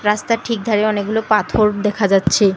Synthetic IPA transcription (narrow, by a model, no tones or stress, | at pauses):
ɾast̪aʈʰik̚d̪ʱaɾeɔneɡ̚ɡulopat̪ʰoɾd̪ɛkʰad͡ʑatːɕʰe